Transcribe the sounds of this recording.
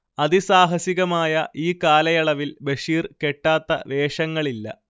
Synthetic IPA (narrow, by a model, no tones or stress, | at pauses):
ɐðisaːɦɐsiɣɐmaːjɐʔiːkaːlɐjɐɭɐʋilbeʂiːrkeʈːaːt̪ːɐ̰ʋe̞ːʂɐŋːɐɭilːɐ̰